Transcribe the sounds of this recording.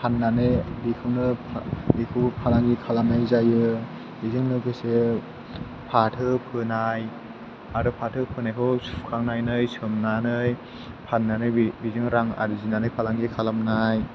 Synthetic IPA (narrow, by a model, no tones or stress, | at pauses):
pʰanːanɯbikʰɯwnɯpʰbikʰɯwpʰalaŋɡikʰalamnajzajɯ | bizɯŋnɯkʰɯse | pʰatʰɯpʰɯnaj | aɾɔpʰatʰɯpʰɯnajkʰɯwsu̥pkʰaŋnajnɯjsɯmnanɯj | pʰanːanɯbizɯŋɾaŋa̰ɾɯzinanɯjpʰalaŋɡikʰalamnaj